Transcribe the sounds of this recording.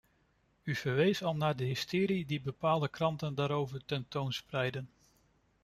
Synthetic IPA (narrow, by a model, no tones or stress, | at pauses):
yv̥əɹʋejsɑlˠnaːɹdəɦɪstɪːɾidibəpaːlˠdəkrɑntəndaːɾowvəɹtɛntownsprɛjdən